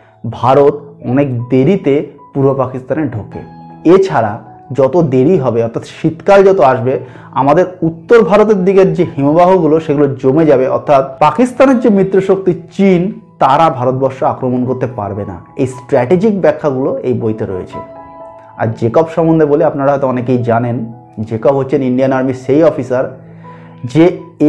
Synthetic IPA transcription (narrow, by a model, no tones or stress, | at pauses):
bʱaɾot̪ɔnekd̪eɾit̪e | puɾbopakist̪aneɾɖʱokḛ | et͡ɕʰaɾa̰ | d͡ʑɔt̪od̪eɾiɦɔbeɔɾt̪ʰat̪ʃit̪kald͡ʑɔt̪oaʃbe | a̰mad̪eɾut̪ːoɾbʱaɾot̪̬eɾd̪iɡeɾd͡ʑehimobaɦoɡuloʃeɡulod͡ʑomed͡ʑabeʔɔ̰ɾt̪ʰːat̪pakist̪aneɾd͡ʑemɾit̪ːɾoʃok̚t̪it͡ɕint̪aɾabʱaɾot̪̚bɔɾʃoakɾomonkoɾt̪epa̰ɾbena̰ejsʈɾɛʈed͡ʑikbɛkʰːaɡuloejbojt̪oɾo̰jḛt͡ɕʰḛ | a̰ɾd͡ʑekɔpʃɔmond̪ʱeboleapnaɾaɦɔjt̪oɔnekejd͡ʑanen | d͡ʑekɔpɦotːɕʰeninɖianaɾmiʃejɔfisaɾ | d͡ʑe